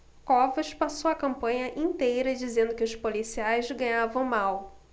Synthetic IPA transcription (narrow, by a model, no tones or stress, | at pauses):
kɔvɐʃpasowɐkɐ̃mpɐ̃ɲɐʔĩnt̪ejɾɐd͡ʒizẽnd̪ʊkɪʊʃpolisiajzɡɐ̃ɲavɐ̃w̃maw